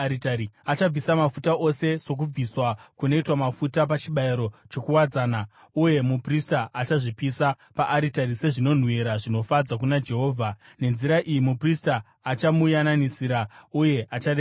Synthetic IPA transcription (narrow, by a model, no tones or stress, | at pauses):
itaiat͡ʃab͡visamafutao̞se̞so̞k̬ub͡viswakuno̞itwamafutapat͡ʃiɓaiɾo̞t͡ʃo̞kuwad͡zaːna | uje̞mupristaʔat͡ʃaʐipisa | paʔaɾitaɾise̞ʐino̞n̤weɾaʐino̞fad͡zak̬unad͡ʒe̞ɦo̞ːvʱa | ne̞nziɾaʔijimupristaː | t͡ʃamujananisiɾauje̞ʔat͡ʃaɗe